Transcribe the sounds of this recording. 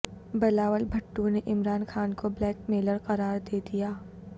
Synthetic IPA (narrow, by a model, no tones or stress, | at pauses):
bɐlaːʋəlbʱɐʈːuneʔɪmɾaːnxaːnkoblɛːkmeːləɾqɐɾaːɾd̪eːd̪ijaː